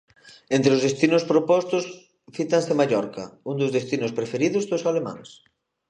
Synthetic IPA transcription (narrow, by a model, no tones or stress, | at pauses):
ent̪ɾeʊzðest̪inʊspɾopɔst̪ʊs | fit̪aŋsemaʎɔɾkɐ̰und̪ʊzðest̪inʊspɾefeɾiðʊzðosalemã̰ŋs